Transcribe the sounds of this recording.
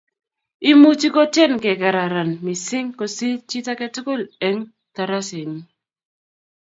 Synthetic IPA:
i˦mu˦t͡ʃi˦ko˦t͡ʃɛ˦nkɛ˨ka˨ɾa˨ɾa˨nmɪ˨sɪ˦ŋko˨si˦t͡ʃi˦ta˦kɛ˦tʊ˦ko˦le˦ŋ | ta˨ɾa˦se˨ni˦

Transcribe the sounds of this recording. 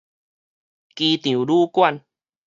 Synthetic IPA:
ki˧t̪j̃ũ˨lu˦kwa˥˧˨n

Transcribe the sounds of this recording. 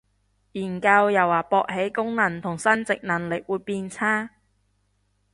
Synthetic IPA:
jiː˨˩nka˧wjɐ˨˩waː˨˩pɔː˧k̚ɦe˨˥jkʊ˥ŋnɐ˨˩nt̪ʰʊ˨˩ŋsɐ˥nt͡sɪ˨k̚nɐ˨˩ŋlɪ˨k̚wuː˨˧˥jpiː˧nt͡sʰaː˥

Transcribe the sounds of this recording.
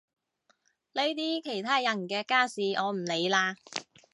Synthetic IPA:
le˥jt̪iː˥kʰe˨˩jt̪ʰaː˥jɐ˨˩nkɛː˧kaː˥siː˨ʔɔː˨˧m̩˨˩le˨˧jlaː˧

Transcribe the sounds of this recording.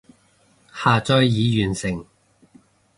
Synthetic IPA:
haː˨t͡sɔː˥jjiː˨˧jyː˨˩nsɪ˨˩ŋ

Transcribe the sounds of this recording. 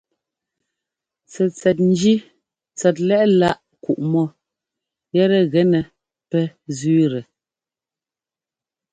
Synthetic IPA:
t͡sɛ˨t͡sɛ˨t̬̚n̩˦d͡ʒi˦ | t͡sɛ˨t̬̚lɛ˦ʔla˦ʔ | ku˨ʔmɔ˦˨ | jɛ˦ɾɛ˨ɣɛ˨˦nɛ˨ | pɛ˦zɥːɾɛ˨

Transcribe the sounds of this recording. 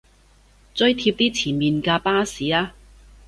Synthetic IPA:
t͡sɵ˥ɥt̪ʰi˧p̚t̪iː˥t͡sʰiː˨˩nmiː˨nkaː˧paː˥siː˨˩aː˧˥

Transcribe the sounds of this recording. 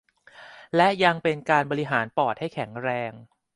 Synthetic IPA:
lɛ˦˥ʔja˧ŋpe˧nkaː˧nbɔː˧ɾi˦˥ɦaː˩˦npɔː˨˩t̪̚ha˥˩jkʰɛ˩˦ŋɾɛː˧ŋ

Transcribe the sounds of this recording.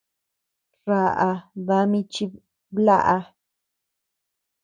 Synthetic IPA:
ra˧ʔa˧βa˧˦mĩ˧t͡ʃi˧ | βla̰˦ʔa˧

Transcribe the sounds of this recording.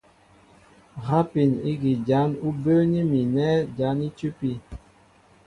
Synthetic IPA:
ɣa˦pi˨ni˦ɡi˨d͡ʒa˨˦nu˦bəː˦ni˦mi˨nɛ˦d͡ʒa˨˦ni˦t͡ʃu˦pi˦

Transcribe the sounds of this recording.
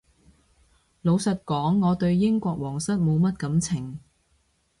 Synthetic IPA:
lo˨˧wsɐ˨t̚kɔː˨˥ŋːɔː˨˧t̪ɵ˧ɥjɪ˥ŋkʷɔː˧k̚wɔː˨˩ŋsɐ˥t̚mo˨˧wmɐ˥t̚kɐ˨˥mt͡sʰɪ˨˩ŋ

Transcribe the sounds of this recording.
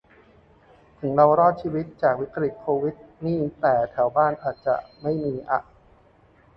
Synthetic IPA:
t̪ʰɯ˩˦ŋɾa˧wɾɔː˥˩t̪̚t͡ɕʰiː˧wi˦˥t̪̚t͡ɕaː˨˩k̚wi˦˥kɾi˨˩t̪̚kʰoː˧wi˦˥t̪̚niː˥˩t̪ɛː˨˩t̪ʰɛ˩˦wbaː˥˩nʔaː˨˩t̪̚t͡ɕa̰˨˩ʔma˥˩jmiː˧ʔa̰˨˩ʔ

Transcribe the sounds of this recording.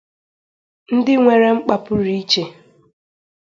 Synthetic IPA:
n̩˦dɪ˦ŋʷe˨ɾe˦ŋ͡m̩˦k͡pa˨pʊ˦ɾi˦i˦t͡ʃe˨

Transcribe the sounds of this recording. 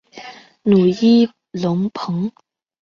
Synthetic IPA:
nu˨˩i˥ | lʊ˧˥ŋpʰɤ˧˥˦ŋ

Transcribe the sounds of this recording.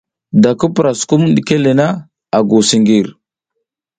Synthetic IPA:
da˨kə˦pə˨ɾa˨sku˦m˦ɗi˨ke˦le˨na˦ | a˨ɡu˨si˨ŋɡi˨ɾ

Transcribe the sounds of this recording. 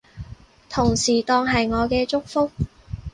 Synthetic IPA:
t̪ʰʊ˨˩ŋsiː˨˩t̪ɔː˧ŋɦɐ˨jŋɔː˨˧kɛː˧t͡ʃʊ˥k̚fʊ˥k̚

